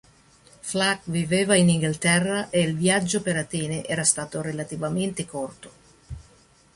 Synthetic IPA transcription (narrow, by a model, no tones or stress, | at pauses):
flakviveːvainiŋɡilt̪ɛrːaʔeilvjad͡ʒːopeɾat̪ɛːneʔɛːɾast̪aːt̪oɾelat̪ivament̪ekɔrt̪o̥